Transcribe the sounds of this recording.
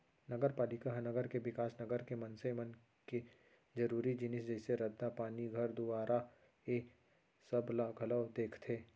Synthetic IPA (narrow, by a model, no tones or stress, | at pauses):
nɐɡəɾpaːlɪkaɦɐnəɡəɾkeʋɪkaːsnɐɡəɾkemɐ̃nsemən | ke | d͡ʒɐɾuːɾid͡ʒɪnɪs̬d͡ʒɛːseɾɐd̪ːapaːniɡʱɐɾd̪ubaːɾʔa | eː | sɐblaɡʱɐləːd̪eːkʰt̪ʰeː